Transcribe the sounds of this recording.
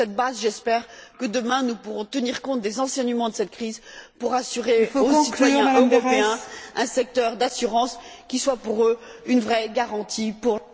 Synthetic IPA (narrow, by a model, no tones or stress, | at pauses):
sɛt̪̚bazʒɛspɛʁkəd̪əmɛ̃nupuʁɔ̃t̪əniʁkɔ̃t̪̚d̪ezɑ̃sɛɲəmɑ̃d̪əsɛt̪̚kχizpuʁasyʁeosit̪wajɛ̃øʁɔpeɛ̃ɛ̃sɛk̚t̪œʁd̪asyʁɑ̃skʲiswapuʁøynvʁɛɡaʁɑ̃t̪ʰipuʁ